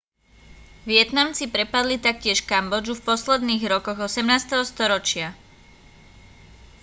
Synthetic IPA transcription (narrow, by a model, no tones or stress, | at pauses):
ʋɪɛt̪namt͡sipɾɛpad̪lit̪ak̚cɪɛʃkambɔd͡ʒufpɔslɛd̪niːɣɾɔkɔɣɔsɛmnaːst̪ɛɦɔst̪ɔɾɔt͡ʃɪa